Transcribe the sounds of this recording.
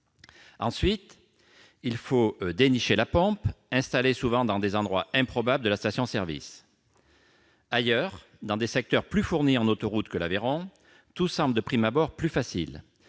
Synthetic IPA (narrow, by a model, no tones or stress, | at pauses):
ɑ̃sɥit̪ | ilfod̪eniʃelapɔ̃pɛ̃st̪alesuvɑ̃d̪ɑ̃d̪ezɑ̃d̪ʁwaɛ̃pχɔbabld̪əlast̪asjɔ̃sɛʁvḭs | ajœʁ | d̪ɑ̃d̪esɛk̚t̪œʁplyfuʁniɑ̃not̪ɔʁut̪kəlaveʁɔ̃ | t̪usɑ̃bld̪əpχimabɔʁplyfasḭl